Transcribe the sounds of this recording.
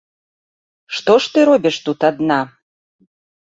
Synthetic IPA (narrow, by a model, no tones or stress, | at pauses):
ʂt̪ɔʂt̪ɨɾɔbʲiʂt̪ut̪ad̪na